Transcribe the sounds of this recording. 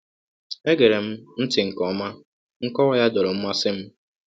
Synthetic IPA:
e˦ɡe˨ɾe˨m̩˦n̩˦tɪ˨ŋ̩˨kɔ˨˦ma˦ | ŋ̩˦kɔ˦wɔ˦ja˦dɔ˨ɾo˨m̩˦mʷa˦sɪ˦m̩˦

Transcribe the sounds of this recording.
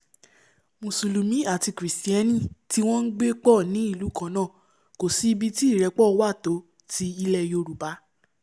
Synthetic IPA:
mõ˨su˨lu˨mĩ˨˦a˦˨ti˧kɾi˨sti˦ɛ˦nĩ˦˨ti˦w̃ɔ̃˦n̩˦ɡ͡be˦k͡pɔ˦˨nĩ˨˦i˦˨lu˨˦kã˧nãː˦˨ | ko˨si˨˧bi˧ti˦i˦˨ɾɛ˨˧˦k͡pɔ˦˨˧wa˦˨to˨˦ | ti˧˦i˧lɛ˧˨jo˧ɾu˨ba˨˦

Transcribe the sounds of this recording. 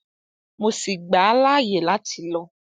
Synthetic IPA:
mõ˨si˨ɡ͡ba˨˦la˦je˨la˦ti˨lɔ˨˦

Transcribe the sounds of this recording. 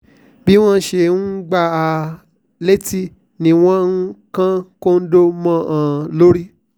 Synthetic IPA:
bi˦w̃ɔ̃˦ʃe˧˨n̩˦ɡ͡ba˦˧˨a˨ | le˦ti˦ | nĩ˧˦w̃ɔ̃˦ŋ̩˦kã˦ko˦n̩˦do˦mã˦˨ʔã˨lo˦ɾi˦

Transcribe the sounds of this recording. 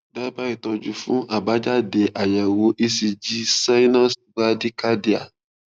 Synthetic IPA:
da˦ba˦i˦˨tɔ˧d͡ʒu˨fũ˨˦ʔa˨ba˨˦d͡ʒa˦de˨˦ʔa˨jɛ˨wo˧˦ʔi˦si˧d͡ʒi˦sa˦i˦nã˦sɡ͡ba˦di˦ka˦di˦a˨

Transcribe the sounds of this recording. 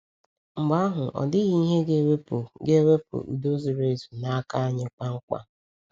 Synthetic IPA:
ŋ͡m̩˨ɡ͡ba˦ɦʊ˨ʔɔ̰˨dɪ˦ɦi˦ɦe˦ɡe˦we˦po˨ɡe˦we˦po̰˨ṵ˨do˦zi˨ɾe˨zu˨na˨a˦ka˦ɲɪ˦k͡pa˦ŋ̩˦kʷa̰˦

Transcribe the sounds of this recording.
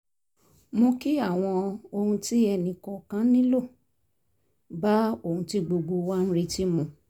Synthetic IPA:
mo˧ki˦a˦˨w̃ɔ̃˧o˧hũ˧ti˦ɛ˧nĩ˨kɔ˨kã˦nĩ˦lo˦˨ | ba˨˦o˦˨ũ˧ti˦ɡ͡bo˧ɡ͡bo˧wa˦n̩˦ɾe˦˧ti˦mũ˧˨

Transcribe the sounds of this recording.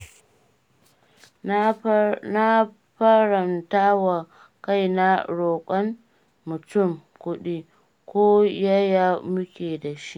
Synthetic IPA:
na˦ | ɸɐ˦ɾɐ˨ntaː˦wa˨ | ka˦˨jna˦ɽoː˨kʷʼɔ˦nː | ʊ˨tʊ˦˨mkʷʊ˦ɗi˦ | kʷoː˦ja˦jaː˦mʊ˦kʲeː˨da˨ʃi˦ʔ

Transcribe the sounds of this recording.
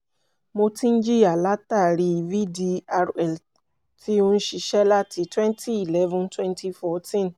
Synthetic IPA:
mo˧tĩ˦n̩˦d͡ʒi˦˨a˨la˦ta˦˨ɾi˧i˨vi˦di˧a˧ɾɛ˨l | ti˦o˧n̩˦ʃi˧ʃɛ˦la˦ti˧twɛ̃˦ntʰi˦i˨lɛ˦vɔ̃˦ntwɛ̃˦ntʰi˦fɔ˧tĩ˦˨n

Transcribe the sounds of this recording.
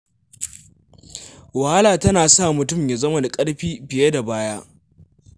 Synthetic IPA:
wɐ˨ha˦laː˨tɐ˦naː˨sa˦˨mʊ˨tʊ˦˨mja˨zɐ˦mɐ˨na˨kʼɐ˦ɽɸiː˦ɸɪ˨je˦da˨baː˦jaː˦ʔ

